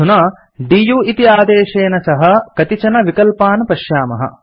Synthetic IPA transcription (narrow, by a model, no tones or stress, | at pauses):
unɐ | ɖijuːit̪iaːd̪eːʃeːnɐsɐɦɐ̆kɐt̪it͡ʃɐnɐʋikɐlpaːnɐpɐʃjaːmɐ̰ɦɐ̰